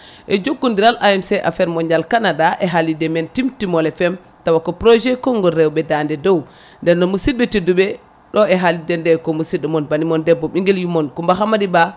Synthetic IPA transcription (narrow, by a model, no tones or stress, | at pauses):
ʔɛd͡ʒoɡːundiɾalʔaɛmsɛʔa̰fɛɾmɔɲd͡ʒalkanadaʔɛɦalidɛmɛntimtimɔlɛfɛm | tawakɔpɾɔʒɛkɔŋɡɔɾɛwɓɛdandɛdɔw | ndɛnɔmusid̚bɛtiduɓɛ | ɗɔɛɦalidɛndɛkɔmusidɔmɔnbanimɔndɛbːɔɓiŋɡɛljumɔnkumbaɦamadiba